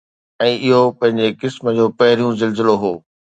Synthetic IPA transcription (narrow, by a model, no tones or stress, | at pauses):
ɛ̃ːʔɪɦopɐ̃ɦɪ̃ɲd͡ʑekɪsmə̆d͡ʑoːpɐɦɪɾijũzɪlzɪloɦoː